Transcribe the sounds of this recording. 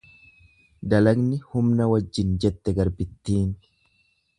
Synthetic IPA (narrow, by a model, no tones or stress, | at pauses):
d̪ɐlɐɡnɪhʊmnɐwɐd͡ʒːɪnd͡ʒɛt̪ːɛɡɐɾbɪt̪ːiːn